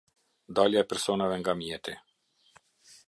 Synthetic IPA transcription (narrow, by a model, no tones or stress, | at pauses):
d̪ɔljapɛɾsonaʋɛŋɡamiɛt̪ʰɛ